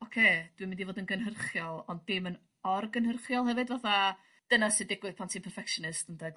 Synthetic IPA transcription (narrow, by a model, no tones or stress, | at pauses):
ɔkʰeːd̥wimɪndivoːdənɡənɦərχjɔlˠɔnd̚bɪmən | ɔrɡənhərχjɔlˠhɛvɨdvaθa | d̥ənasɨdɪɡwɨð̥pʰantʰiːpʰərfɛkʃɔnɨstəndɛɡ